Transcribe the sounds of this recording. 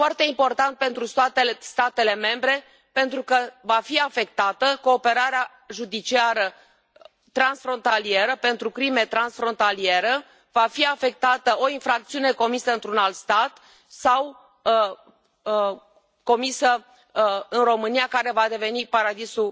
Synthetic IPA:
foart̪e̞impo̞rt̪ant̪̚pe̞nt̪ɾust̪oat̪est̪at̪e̞le̞me̞mbɾe̞ | pe̞nt̪ɾukəvafiafe̞k̚t̪at̪əko̞ːpe̞ɾaɾea | ʒud̪it͡ʃiaɾə | t̪ɾansfɾo̞nt̪alie̞ɾəpe̞nt̪ɾukɾime̞t̪ɾansfɾo̞nt̪alie̞ɾə | vafiafe̞k̚t̪at̪əo̞infɾak̚t̪siune̞ko̞misəɨnt̪ɾunalt̪st̪at̪ | saw | ko̞misə | ɨnro̞mɨnijakaɾe̞vad̪e̞ve̞nipaɾad̪isu

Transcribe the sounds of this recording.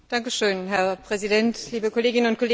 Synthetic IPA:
d̥aŋkəʃøːnɦɛɐpʁ̥ɛzidɛntliːbəkoleːɡɪnənʊnt̚kʰoleː

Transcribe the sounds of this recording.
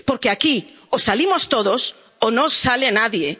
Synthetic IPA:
poɾkeaki | osalimost̪oðos | onõsːalenaðje

